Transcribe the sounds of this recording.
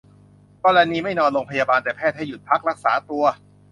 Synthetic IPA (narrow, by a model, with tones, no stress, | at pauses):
kɔː˧ɾa˧niː˧ma˥˩jnɔː˧nloː˧ŋpʰa˧jaː˧baː˧nt̪ɛː˨˩pʰɛː˥˩t̪̚ha˥˩ju˨˩t̪̚pʰa˦˥k̚ɾa˦˥k̚saː˩˦t̪u˧ɐ